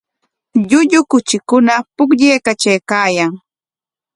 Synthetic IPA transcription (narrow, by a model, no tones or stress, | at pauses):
ʎʊʎʊkʊt͡ʃɪkʊnapʊkʎejkat͡ʃajkaːjaŋ